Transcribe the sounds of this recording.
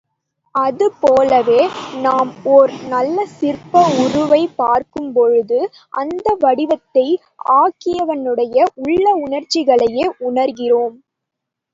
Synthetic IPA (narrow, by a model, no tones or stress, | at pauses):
ɐðɯpoːlɐʋeːnaːmɔɾɯnɐlːɐsɪrpɐʊɾʊʋɐɪpːaːɾkɯmpɔɻɯðɯ | ʔɐnd̪ɐʋɐɽɪʋɐt̪ːɐɪ | aːkɪjɐʋɐnɯɽɐjɐʔʊɭːɐʊɳɐɾt͡ʃːɪɣɐɭɐjeːʔʊɳɐɾɣɪroːm